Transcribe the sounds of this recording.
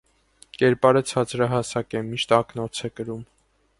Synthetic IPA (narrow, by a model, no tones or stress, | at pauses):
kɛɾpɑɾət͡sʰɑt͡sɾɑɦɑsɑkɛmiʃt̪ɑknɔt͡sʰɛkəɾum